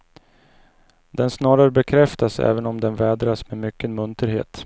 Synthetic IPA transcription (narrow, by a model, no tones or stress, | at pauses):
d̪ɛnsnɑːɾaɾəbɛkʰɾɛft̪asɛ̰ːvənɔmd̪ɛnvɛːd̪ɾasmɛmʏkːənmɵnt̪əɾhḛːt̪